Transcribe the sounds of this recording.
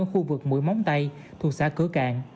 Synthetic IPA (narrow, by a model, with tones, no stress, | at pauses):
xu˧vɨ˨˩k̚mṵ˧˥˦jma˨˦wŋ͡mt̪a˧j | t̪ʰu˨˩saː˧˥kɨ˧˦ka̰ː˧˨ŋ